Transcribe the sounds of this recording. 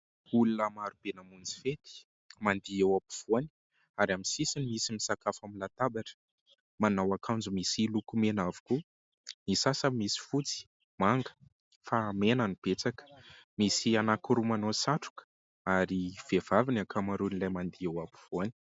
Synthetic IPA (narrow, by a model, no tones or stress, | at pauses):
ulunəmaɾub̥enamund͡zi̥fet̪i̥ | mand̪iewapi̥v̥oani̥ | aɾaminsisinimisimisakafamilat̪abaʈ͡ʂə̥ | manawakʰand͡zumisilukumenavu̥ku | nisasəmisi̥fut͡si̥ | maŋɡə̥ | famenanib̥et͡sakə̥misianakuɾumanosaʈ͡ʂu̥kə̥ | aɾiv̥ev̥avinakʰamaɾunilajmand̪iewapi̥v̥oani̥